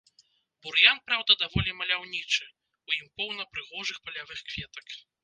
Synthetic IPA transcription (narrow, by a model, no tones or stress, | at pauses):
buɾjan̚pɾawd̪ɐd̪avɔlʲimɐlʲawnʲit͡ʂɨ | ujimpɔwnɐpɾɨɣɔʐɨxpɐlʲavɨxkvʲɛt̪ɐk